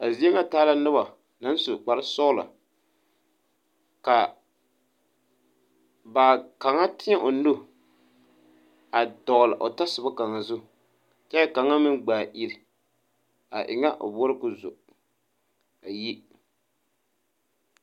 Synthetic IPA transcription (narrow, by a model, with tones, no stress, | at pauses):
a˨zi˦e˦ŋa˦taː˦la˦nɨ˦ba˨ | na˦n˦sʊ˨k͡pa˨ɾɨ˦sɔ˦la̰˨ | ka˨ | ba˨ka˨ŋa˦tɪ˦a˦ʔo˨n̩˦do˦ | a˨dɔ˨la˨ʔo˨ta˦sʊ˨ba˦ka˨ŋa˨zʊ˦˨ | t͡ʃɛ˦ka˨ŋa˦mɨ˦nɡ͡baː˨ʔi˦ɾɪ˨ | a̰˨ʔɪ̰˨ŋa˦ʔo˨bɔ˦ɾkʊ˦zʊ̰˨ | a˨ji˦